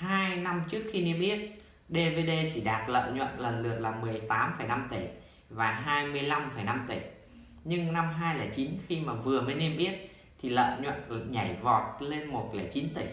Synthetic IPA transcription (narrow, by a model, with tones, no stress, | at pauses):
haː˧jna˧mt͡ɕɨ˦˥ək̚xi˧ni˧əmʔi˦˥ət̚ | ɗe˧ve˧ɗe˧t͡ɕi˧˩ɗaː˨˩t̚lə̰ː˧˨ɲwə̰˧˨nlə˨˩nlɨ˨˩ək̚laː˨˩mɨ˨˩əjt̪aː˨˦mfə˧˩jna˧mt̪i˧˩ | vaː˨˩ɦaː˧jmɨ˧əjla˧mfə˧˩jna˧mt̪i˧˩ | ɲɨ˧ŋna˧mɦaː˧jlaː˨˩t͡ɕi˨˦nxi˧maː˨˩vɨ˨˩əməː˨˦jni˧əmʔi˦˥ət̚ | t̪ʰi˨˩lə̰ː˧˨ɲwə̰˧˨n˨˩ɲa˧˩jvɔ˨˩t̚le˧nmo˨˩t̚laː˨˩t͡ɕi˨˦nt̪i˧˩